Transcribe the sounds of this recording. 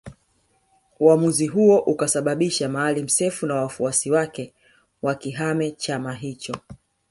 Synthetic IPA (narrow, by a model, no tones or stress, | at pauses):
uamuziɦuɔʔukasaɓaɓiʃamaːlim̩sɛfunawafuasiwakɛ | wakiɦamɛt͡ʃamaɦit͡ʃɔ